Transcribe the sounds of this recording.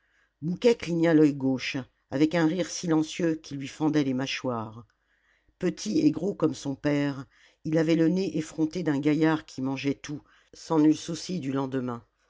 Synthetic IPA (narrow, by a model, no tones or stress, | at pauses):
mukʲɛkliɲalœjɡoʃ | avɛkɛ̃ʁiʁsilɑ̃sjøkʲʰilɥifɑ̃d̪ɛlemaʃwaːʁ | pət̪ʰieɡʁokɔmsɔ̃pɛʁ | ilavɛləneʔefχɔ̃t̪ed̪ɛ̃ɡajaʁkʲʰimɑ̃ʒɛt̪u | sɑ̃nylsusid̪ylɑ̃d̪əmɛ̃